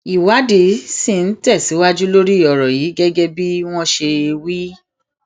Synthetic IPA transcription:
i˨wa˨˦de˨˧˦si˦˨n̩˦tɛ˦˨si˨˦wa˦d͡ʒu˦lo˦ɾi˦˨ɔ˨ɾɔ˨jiː˨˦ɡɛ˦ɡɛ˦bi˦w̃ɔ̃˦ʃe˧e˧wi˦

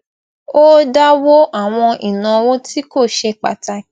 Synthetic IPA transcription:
o˦da˦wo˦ʔa˦˨w̃ɔ̃˧ʔi˨nã˨˦wo˦ti˦ko˦˨ʃe˧k͡pa̰˨ta˧

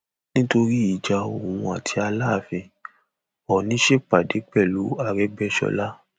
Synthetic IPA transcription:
nĩ˦to˧ɾi˦i˨d͡ʒa˧o˨wũ˧a˨tʰi˧a˧la˦˨fĩ˧ | ɔ˨nĩ˨˦ʃe˦k͡pa˨de˨˦k͡pɛ˦˨lu˨˦a˨ɾɛ˦ɡ͡bɛ˦ʃɔ̰˧la˦

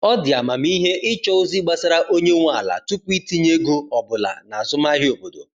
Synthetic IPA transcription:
ɔ˦dɪ˨a˨ma˨m˦i˦ɦe˦ʔɪ˦t͡ʃɔ˦o˦zi˦ɡ͡ba˦sa˦ɾa˦ʔo˦ɲe˦ŋʷ˦a˨la̰˨tu˦kʷi˦ti˦ɲe˦ɡo˦ɔ˨bʊ˨la̰˨na˨a˨zʊ˦m˦a˦ɦɪ˦o˨bo˨do̰˨

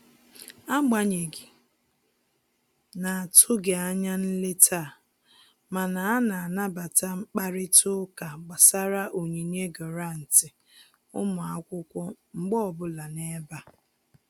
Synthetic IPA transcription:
a˦ɡ͡ba˨ɲe˨ɡi˨ | na˨a˨tʰʊ˦ɡe˨a˦ɲa˦n̩˦le˦tʰa˦˨ | ma˨na˨a˦na˨a˨na˦ba˨ta˦ŋ͡m̩˦k͡pa˦ɾɪ˦tʰʊ˦ka˨ɡ͡ba˨sa˦ɾa˦ʔo˨ɲe˨ne˦ɡɔ˨ɾa˦˨n̩˨tɪ˨ | ʊ˦mʊ˨a˦kʷʊ˦kʷɔ˦ | ŋ͡m̩˦ɡ͡bɔ˦˨bʊ˦la˨ne˦ba˦

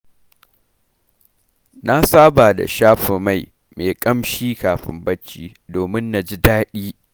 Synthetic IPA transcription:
na˦saː˦ba˨da̰˨ʃaː˦ɸɪ˨ma˦˨j | meː˨kʼɐ˦mʃiː˦kaː˨ɸɪ̰˦mbɐ˦t͡ʃːiː˦ | doː˨mɪ˦nːa˨d͡ʒi˦daː˦ɗiː˦

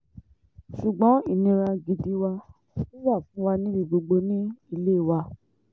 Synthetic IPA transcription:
ʃu˨ɡ͡bɔ̃˨˦i˦˨nĩ˧ɾa˧ɡi˧di˧wa˧ | i˦ja˦˨fũ˨˦wa˧nĩ˦bi˧ɡ͡bo˧ɡ͡bo˧nĩ˦i˦˧˨le˦˨wa˧

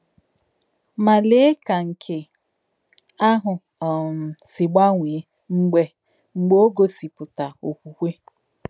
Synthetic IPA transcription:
ma˨lɪ˦ka˨ŋ̩˨kʰɪ˨ | a˦ɦʊ˨ | sɪ˨ɡ͡ba˦ŋʷi˨˦ | ŋ͡m̩˨ɡ͡be˨ | ŋ͡m̩˨ɡ͡bo˦o˦ɡo˦si˨pʊ˨ta˨o˨kʷu˨kʷe˦

